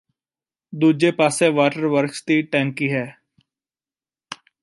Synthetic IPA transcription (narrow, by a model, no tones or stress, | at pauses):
d̪uːd͡ʒepaːseʋaːʈəɾʋəɾkst̪iʈɛ̃ːŋkiɦɛː